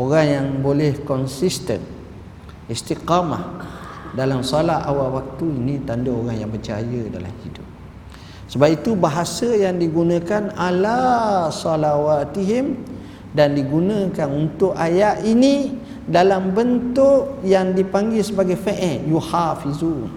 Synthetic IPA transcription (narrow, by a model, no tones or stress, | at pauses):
oɾaŋjaŋbolɛhkɔnsist̪ə̰n | ist̪iqama̰ | dalamsɔlaa̰wawak̚t̪uinĩt̪andəoɾaŋjaŋbət͡ʃa̰jəda̰la̰mhidʊp̚ | səbap̚it̪ubaɦasəjaŋdiɡunə̃kanalasɔlawat̪iɦim | dandiɡunə̃kanunt̪ʊʔajaʔini | dalambənt̪ʊʔjaŋdipaŋɡilsəbaɡajfeʔɛjuhafizuːn